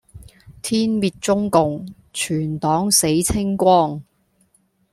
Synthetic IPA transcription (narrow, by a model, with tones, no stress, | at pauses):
t̪ʰiː˥nmiː˨˧t̚t͡sʊ˥ŋkʊ˨ŋ | t͡ʃʰyː˨˩nt̪ɔː˨˥ŋse˨˥jt͡sʰɪ˥ŋkʷwɔː˥ŋ